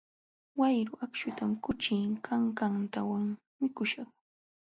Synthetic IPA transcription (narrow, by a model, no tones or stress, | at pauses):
wajɾʊʔakʃʊt̪amkʊt͡ʃɪŋkʰaŋkant̪awaŋ | mɪkʊʃɑχ